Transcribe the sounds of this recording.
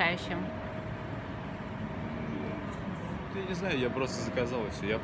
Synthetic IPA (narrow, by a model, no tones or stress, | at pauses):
ajʉɕːɪm | t̪janʲɪznajʊjapɾo̞st̪əzəkɐzalˠfsʲoja